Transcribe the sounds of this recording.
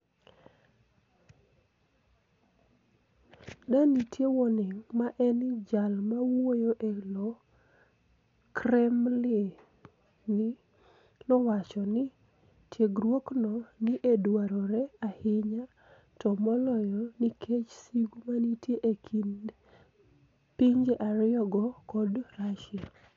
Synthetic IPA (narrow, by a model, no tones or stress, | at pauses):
danitʰjewɔnɪŋmaʔɛnd͡ʒalmawojoʔelɔ | kɾɛmlɪ | nɪ | nɔwat͡ʃɔnɪ | tʰjeɡɾwoknɔnɪʔedwaɾɔɾɛahɪɲa | tɔmɔlɔjɔnikʰet͡ʃsiɡumanitjeʔekʰind | piɲd͡ʒeʔaɾɪɔɡɔkɔdraʃɪa